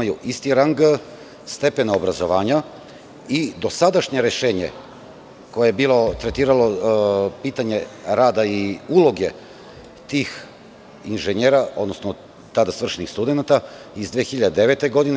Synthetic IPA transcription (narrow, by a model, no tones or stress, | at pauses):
ajuʔist̪iɾaŋɡ | st̪e̞penaobɾazo̞ʋaːɲa | id̪o̞sad̪aʃɲe̞ɾeʃe̞ːɲḛ | ko̞jebiːlo̞t̪ɾet̪iːɾalo̞piːt̪aɲe̞ɾaːd̪aiulˠo̞ɡe̞ | t̪iːx | inʒeɲeːɾao̞d̪nosno | t̪ad̪asʋr̩ʃenixst̪ud̪e̞nat̪a | izd̪ʋeːxiʎad̪ed̪eʋe̞t̪e̞ɡo̞d̪ine